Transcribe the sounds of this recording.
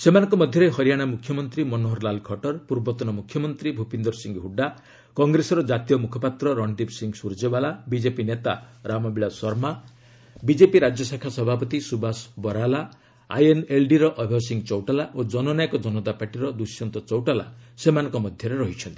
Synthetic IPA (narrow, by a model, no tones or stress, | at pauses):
semanɔ̃ŋkɔmɔd̪ʱjɔɾeɦɔɾijaɽ̃amukʰjɔmɔnt̪ɾimɔnoɦɔɾlalkʰɔʈɔɾpuɾbɔt̪ɔnɔmukʰːjɔmɔnt̪ɾibʱupind̪ɔɾsiŋɡɦuɖa | kɔŋɡɾesɔɾɔd͡ʒat̪ijɔmukʰɔpat̪ɾɔɾɔɳɖibsiŋɡsuɾd͡ʒebalabid͡ʒepinet̪aɾamɔbiɭaswɔɾma | bid͡ʒepiɾad͡ʒjɔsakʰasɔbʱapɔt̪isubasbɔɾala | a̰jenelɖiɾɔʔɔbʱɔsiŋɡt͡ʃɔwʈalaʔod͡ʒɔnɔnajkɔd͡ʒɔnɔt̪apaʈiɾɔd̪usjɔnt̪ɔt͡ʃɔwʈala̰semanɔ̃ŋkɔmɔd̪ʱjɔɾeɾɔɦit͡ʃʰɔnt̪i̥